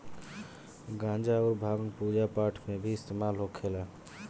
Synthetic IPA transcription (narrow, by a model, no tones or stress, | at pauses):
ɡãːnd͡ʒaɔːɾbʱaːʋənpuːd͡ʒapaːɾʈʰmẽbʱiɪst̪eːmaːlɦokʰeːlaː